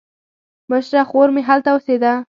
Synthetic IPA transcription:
məʃɾaxoɾmeɦalt̪awəsed̪a

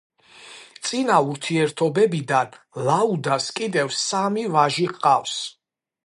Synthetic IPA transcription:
t̪sʼinauɾt̪ʰiɛɾt̪ʰɔbɛbid̪an | laud̪askʼid̪ɛvsamivaʒiqʼafs

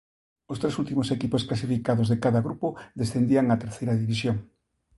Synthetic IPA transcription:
ost̪ɾesult̪imosekiposklasifikaðozðekaðɐɣɾupoðesθend̪iaŋat̪eɾθejɾɐðiβis̬joŋ

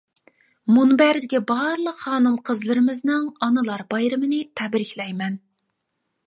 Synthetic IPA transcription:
munbæɾd̪ɪɡʲɛbɑɾlˠəqχɑːnɨmqʰəzlˠɨɾɨmɨznɨŋɑnɨlˠɑɾbɑjɾɨmɨnɨt̪ʰɛbɾɪkʲlɛjmɛn

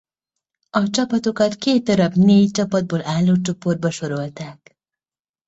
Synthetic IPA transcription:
ɒt͡ʃɒpɒt̪okɒt̪keːt̪̚d̪ɒɾɒbneːjt͡ʃɒpɒd̪̚boːlʔaːlːot͡ʃoporbɒʃoɾo̞lt̪aːk

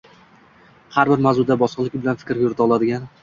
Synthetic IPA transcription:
haɾbɪɾmazʊd̪abɒsqlˠɪkʲbɪlanfɪ̥kʲɾʲjʊɾɪt̪ʰaɒlˠad̪ɪɡʲan

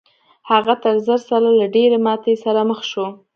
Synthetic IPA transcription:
haɣat̪əɾzəɾsaɾalaɖeɾemɑt̪esaɾaməxʃo

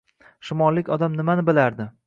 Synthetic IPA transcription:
ʃɪmɒlːɪkʲɒd̪amnɪmanɪbɪlaɾd̪ɪ

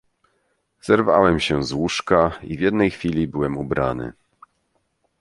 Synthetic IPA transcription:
z̥ɛɾva̰wɛmɕɛzwuʂkaivʲjɛd̪nɛjxfʲilʲibɘwɛmubɾa̰nɘ̰

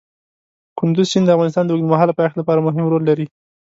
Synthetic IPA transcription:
kʊnd̪ʊzt͡ʃind̪əafɣɑnɪs̬t̪ɑnd̪əwɡd̪əmaɦalapajaxt̪lapɑɾamʊɦɪmɾolːaɾi

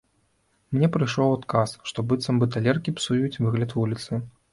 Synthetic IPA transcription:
mnʲɛpɾɨjʂɔwat̪kasʂt̪ɔbɨt̪sɐmbɨt̪alʲɛrkʲipsujut͡sʲvɨɣlʲɐt̪vulʲit̪sɨ

